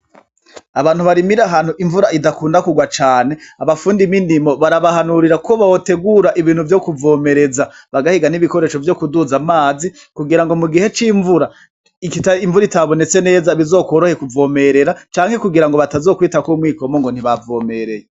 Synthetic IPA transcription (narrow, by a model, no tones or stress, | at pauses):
aβaːn̥huβaɾimiɾaɦan̥uʔiɱvuɾaʔidakuːndakuɡwat͡ʃaːne̞aβafuːndiminimo̞βaɾaβahanuɾiɾakoβawote̞ɡuɾaʔiβiːn̥huvjo̞kuvo̞ːme̞ɾe̞zaβaɡahiɡaniβiko̞ɾe̞ʃo̞vjo̞kuduzamaːzi | kuɡiɾaŋɡo̞muɡihe̞t͡ʃiɱvuɾa | ikitaiɱvuɾitaβo̞ne̞t͡se̞ne̞ːzaβizo̞ːkwoɾohekuvo̞ːme̞ɾe̞ɾat͡ʃaːŋhe̞kuɡiɾaŋɡo̞βatazokwiːtakumwiːko̞moŋɡo̞n̥iβavo̞ːme̞ɾe̞je